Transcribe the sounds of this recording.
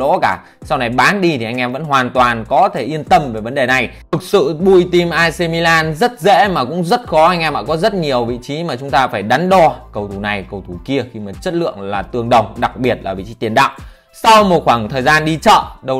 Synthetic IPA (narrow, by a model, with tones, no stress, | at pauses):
o̰˧˥kaː˧˩ | sa˧wna˨˩jɓaː˨˦nɗi˧t̪ʰi˨˩ʔa˧jŋ̟ʔɛ˧mvə̰˧˥nɦwaː˨˩nt̪waː˨˩nkɔ˨˦t̪ʰe˧˩ʔi˧ənt̪ə˧mve˨˩və˨˦nɗe˨˩na˨˩jt̪ʰɨ˨˩k̚sɨ̰˧˨ɓu˧˩jt̪i˧mʔaː˧jse˧mi˧laː˧nzə˦˥t̚zḛ˧˥maː˨˩kʊ̰˧˥ŋ͡mzə˦˥t̚xɔ˨˦ʔa˧jŋ̟ʔɛ˧mʔa̰ː˧˥˩kɔ˨˦zə˦˥t̚ɲi˨˩əwvḭ˧˨t͡ɕi˨˦maː˨˩t͡ɕʊ˨˦ŋ͡mt̪aː˧faː˧˩jɗa˨˦ŋɗɔ˧kə˧˩wt̪ʰu˧˩na˨˩jkə˧˩wt̪ʰu˧˩ki˧əxi˧maː˨˩t͡ɕə˦˥t̚lɨ̰˧˨əŋlaː˨˩t̪ɨ˨˩əŋɗə˨˩wŋ͡mɗa˨˩k̚ɓi˨˩ət̚laː˨˩vḭ˧˨t͡ɕi˨˦t̪i˨˩ənɗa̰ː˧˨w | sa˧wmo˨˩t̚xwaː˧˩ŋt̪ʰəː˨˩jzaː˧nɗi˧t͡ɕə̰ː˧˨ɗə˧w